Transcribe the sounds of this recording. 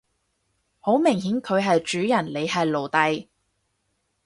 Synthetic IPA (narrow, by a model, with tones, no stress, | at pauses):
ho˨˥wmɪ˨˩ŋɦiː˨˥nkʰɵ˨˧ɥɦɐ˨jt͡ʃyː˨˥jɐ˨˩nle˨˧jɦɐ˨jlo˨˩wt̪ɐ˨j